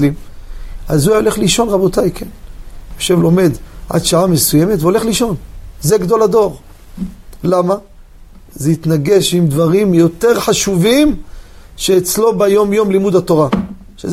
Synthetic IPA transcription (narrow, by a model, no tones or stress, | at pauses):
lim | azuaole̞χliʃo̞nʁabo̞t̪ajkʰenjoʃevlo̞me̞d̪ʕa̰d̪ʃaʕamesuje̞met̪veo̞le̞χliʃo̞nzeɡd̪o̞lad̪o̞ʁ | lama | zeit̪naɡe̞ʃimd̪vaʁimjo̞t̪e̞ʁħaʃuvimʃeːt͡slo̞bajo̞mjo̞mlimud̪hat̪o̞ʁa | ʃe